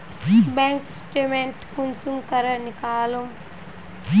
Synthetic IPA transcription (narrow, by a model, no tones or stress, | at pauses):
bẽŋksʈeːmeɳʈkunsumkɐɾɐnikaːlum